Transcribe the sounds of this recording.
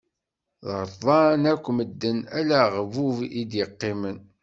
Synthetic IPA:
ðɾtðˤɑnækʷːməd̪ːənælæʁvuvid̪jəqːɪmən

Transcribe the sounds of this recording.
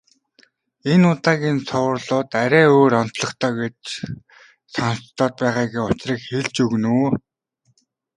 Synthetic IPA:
enʊt̪aːɣʲiːnsʰʊwrɮʊːt̪aɾʲæːoːɾɔn̥t̪ɮɞ̆χt̪ʰœːɡet͡ɕ | sɔnt̪ːɔːt̪̚pæːʁaːɡeːʊt͡ɕriːkxeɮt͡ɕɵɣnuː

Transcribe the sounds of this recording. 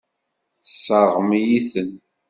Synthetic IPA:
θəsːəɾˤʁmijiθən

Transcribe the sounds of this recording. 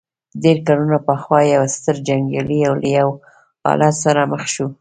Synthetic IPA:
d̪eɾkalunapəxwɑjawst̪əɾd͡ʒaŋɡaliawlajaw | ɑ̰lɑt̪saɾaməxʃu

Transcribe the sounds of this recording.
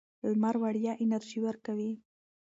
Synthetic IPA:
lmaɾwaɽjɑʔɪnaɾʒiwəɾkawi

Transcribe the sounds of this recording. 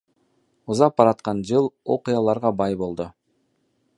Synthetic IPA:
uzɑp̚ːɑɾɑt̪̚qɑnd͡ʒɯlˠo̞̰qɨjɑlˠɑɾʁɑbɑjbo̞lˠd̪ʊ

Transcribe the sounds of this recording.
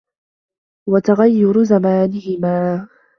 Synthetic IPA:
wat̪aɣajːʊɾzamaːnɪhɪmaː

